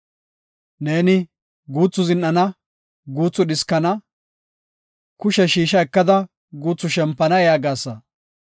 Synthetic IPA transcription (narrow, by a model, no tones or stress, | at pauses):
ne̞ːnɪ | ɡuːt͡sːʊzɪnːɐnɐ | ɡuːt͡sːʊɗɪskːɐnɐ | kʊʃɛʃiːʃ̬ɐɛkːɐd̪ɐ | ɡuːt͡sːʊʃɛmpːɐnɐjaːɡaːsːɐ